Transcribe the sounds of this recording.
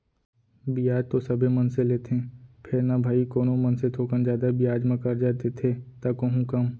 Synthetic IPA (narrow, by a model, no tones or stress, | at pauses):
bijaːd͡ʒt̪osɐbʱemɐnseleːt̪ʰẽːpʰɪɾnabʱaːikoːnomɐnset̪ʰoːkənd͡ʒjaːd̪abijaːd͡ʒmãkəɾd͡ʒaːt̪et̪ʰet̪akoɦũkɐm